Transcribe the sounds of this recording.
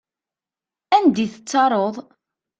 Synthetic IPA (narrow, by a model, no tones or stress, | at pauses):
ænd̪iθət͡sːɑɾˤoðˤ